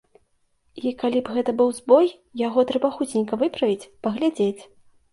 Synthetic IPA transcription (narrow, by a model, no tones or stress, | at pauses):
ikalʲibɣɛt̪ɐbɨwzbɔj | jaɣɔt̪ɾɛbaxut͡sʲnʲikɐvɨpɾɐvʲit͡sʲpɐɣlʲad͡zʲet͡sʲ